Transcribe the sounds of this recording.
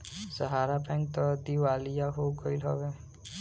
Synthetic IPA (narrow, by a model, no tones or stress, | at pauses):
səɦaɾapɛ̃ŋk̚t̪ɔd̪iwalijaɦoɡɔilɦɔ̰be